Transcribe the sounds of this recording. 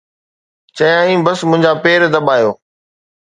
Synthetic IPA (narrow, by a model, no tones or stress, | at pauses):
t͡ɕɐjãːĩːbɐsmʊ̃ɦɪ̃ɲd͡ʑaːpeːɾd̪ɐɓaːjoː